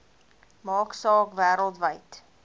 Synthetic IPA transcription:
mɑːksɑːkvæːɾəlˠtvəjt

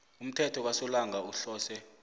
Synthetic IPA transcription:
um̩tʰɛtʰɔk̬wasɔlaŋauɬɔːsɛ

